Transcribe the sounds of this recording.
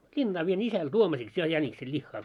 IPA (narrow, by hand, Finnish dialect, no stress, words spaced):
lʲinːɑː ʋien isæl tuomɑsiks jɑ jæniksel lʲihːɑː